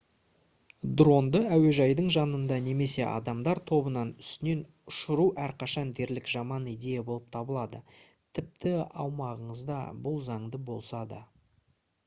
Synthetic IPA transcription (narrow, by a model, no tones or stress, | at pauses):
d̪ro̞nd̪əæwe̞ʒɑjd̪əɴʒɑnənd̪ɑne̞me̞se̞ʔɑ̰d̪ɑmd̪ɑɾt̪ʰo̞bənɑnʏ̥st̪ɪne̞n | ʊʃəɾuʔæɾqʰɑʃɑnd̪e̞ɾlɪkʒɑmɑnid̪e̞jabo̞lˠəp̚t̪ʰɑbəlˠɑd̪ə̰ | t̪ʰɪp̚t̪ʰɪɑ̰wmɑʁəɴəzd̪ɑ̰bʊlˠzɑɴd̪əbo̞̰lˠsɑd̪ɑ